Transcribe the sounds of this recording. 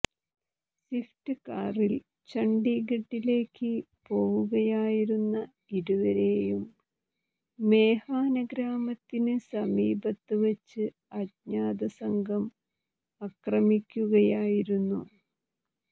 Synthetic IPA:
siftɨkaːril | t͡ɕɐɳɖiɡeʈːile̞ːkːɨ | po̞ːɣuɣɐjaːjiɾunːɐ | iɾuʋɐɾe̞ːjum | e̞ːhaːnɐɡɾaːmɐt̪ːinɨsɐmiːbɐt̪ːɨʋɐt͡ɕːɨ | ɐtɲaːd̪ɐsɐŋɡʱɐm | ɐkrɐmikʲːuɣɐjaːjiɾunːu

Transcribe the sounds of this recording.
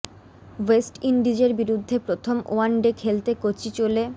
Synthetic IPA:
wesʈiɳɖid͡ʑeɾbiɾud̪ʱːepɾot̪ʰomoaɳɖekʰelt̪ekot͡ɕit͡ɕole

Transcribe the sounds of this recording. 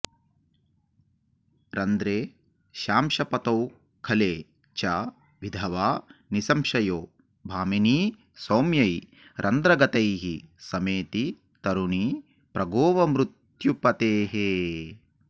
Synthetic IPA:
ɾɐnd̪ɾeː | ʃaːmʃɐpɐt̪ɐw | kʰɐleː | t͡ʃa | ʋid̪ʱɐʋaːnisɐmʃɐjoː | bʱaːminiː | sɐːmjɐj | ɾʔɐnd̪ɾɐɡɐt̪ɐjɦisɐmeːt̪i | t̪ɐɾuɳi | pɾɐɡoːʋɐmɾut̪ | jupɐt̪eːɦeː

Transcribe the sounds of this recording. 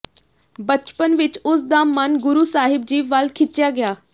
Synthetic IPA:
bət͡ʃpənʋɪt͡ʃʊsd̪aːmɐnɡʊɾuːsaːɦɪb̚d͡ʑiːʋʋalkʰɪt͡ʃɪjaːɡɪjaː

